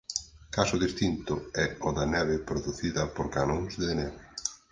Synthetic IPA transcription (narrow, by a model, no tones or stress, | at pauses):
kasʊðist̪int̪ʊɛɔðɐnɛβɪpɾoðuθiðɐpoɾkanoŋsðenɛβɪ